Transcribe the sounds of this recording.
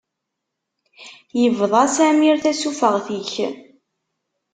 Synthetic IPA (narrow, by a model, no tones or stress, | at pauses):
jəvðˤɑsæmiɾθæsufəʁθiç